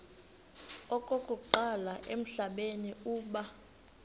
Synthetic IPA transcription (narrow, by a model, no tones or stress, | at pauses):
ɔkʼokʼuǃalaʔem̩ɬaɓeniuːɓa